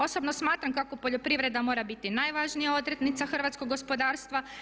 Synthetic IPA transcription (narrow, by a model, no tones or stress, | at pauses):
o̞so̞bnosmaːt̪ɾamkako̞po̞ʎo̞pɾiʋɾed̪amo̞ːɾabit̪inajʋaʒnijao̞d̪ɾet̪nit̪saxr̩ʋat̪skoɡːospo̞d̪aːɾst̪ʋa